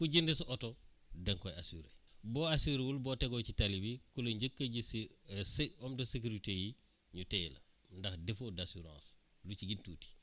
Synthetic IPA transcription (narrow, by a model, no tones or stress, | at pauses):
kuɟindisotodɛŋkojasuɾḛboasiɾwulboteɡocitalibikulɐɲɟəkːəɟisseɔmdɐsek̬uɾiteji | ɲuteːlɐ̰ | ndɐxdefodasuɾã̰ːs | lut͡ʃiɡintuːti̥